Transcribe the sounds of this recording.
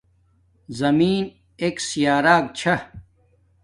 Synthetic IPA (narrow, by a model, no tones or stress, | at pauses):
zɐmiːn | eːksijaːɾaːk̚t͡ɕʰɐ